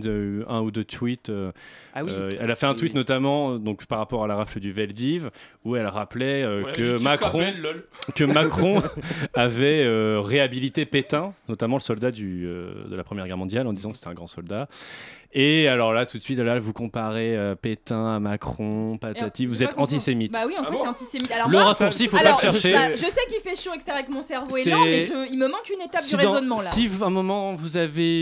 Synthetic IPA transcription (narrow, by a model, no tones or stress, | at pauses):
ɛ̃ud̪øt̪ʰwit̪ø | ɛlafɛɛ̃t̪wit̪nɔt̪amɑ̃d̪ɔ̃kpaʁːapɔʁalaʁafləd̪yvɛld̪ivuɛlʁaplɛøkəmakχɔ̃ɔlkəmakχɔ̃avɛøʁeabilit̪epet̪ɛ̃nɔt̪amɑ̃ləsɔld̪ad̪yø̰d̪əlapχəmjɛʁɡʲɛʁmɔ̃d̪jalɑ̃d̪izɑ̃kəse̥t̪ɛ̃ɡʁɑ̃sɔld̪a | ealɔʁlat̪ut̪sɥit̪lavukɔ̃paʁeøpet̪ɛ̃amakχɔ̃pat̪at̪ifvuzɛɑ̃t̪isemit̪awiɑ̃kwasɛɑ̃t̪isemit̪alɔləʁasuʁsifolpaʃɛʁʃeʒəsɛkilfɛʃoɛkse̥t̪ɛʁavɛkmɔ̃sɛʁvoesɛamɛʒəilməmɑ̃kynet̪ap̚sdsiʁed̪ɑ̃zɔnmɑ̃lsaivɛ̃mɔmɑ̃vuzave